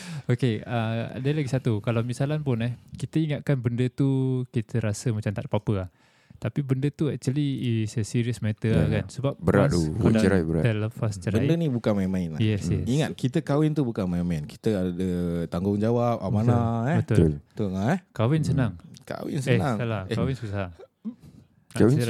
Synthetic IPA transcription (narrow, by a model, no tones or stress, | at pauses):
okeə̰dəlaɡisat̪ukalawmisalanpʊnɛhkit̪əiŋat̪̚kanbəndət̪ukit̪ʰəɾasəmat͡ʃamt̪a̰ʔpapəa | t̪apibəndət̪uɛt͡ʃəliːsəsiɾiəsmɛt̪əakansəbap̚bəɾa̰ʔd̪uəəɾabəɾa̰ɛləfast͡ʃəɾbəadənibukanmainmaɪnlajɛsjɛiŋat̪̚kit̪əkawɪnt̪ubukanmainmaɪnki̥t̪əadət̪aŋɡʊŋd͡ʒawap̚amanaɛbət̪ʊllt̪uŋaɛhkawɪnsənaŋka̰wɪ̰nsəenãŋalakawɪnsusaa | aawə